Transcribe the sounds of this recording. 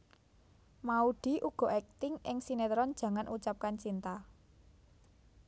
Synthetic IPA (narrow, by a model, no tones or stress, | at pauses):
mauɖ̥i̤ʔuɡ̥ɔ̤ʔɛk̚t̪ɪŋɪ̰ŋsinet̪ɾɔnd̥ʒ̥ä̤ŋanʔut͡ʃap̚kant͡ʃint̪a